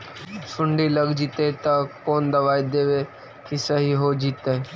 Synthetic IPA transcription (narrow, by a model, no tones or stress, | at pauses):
sʊ̃ɳɖiːləɡd͡ʒiːt̪et̪ɐkoːnd̪əʋaːid̪eːʋe | kisəɦiɦoːd͡ʒiːt̪e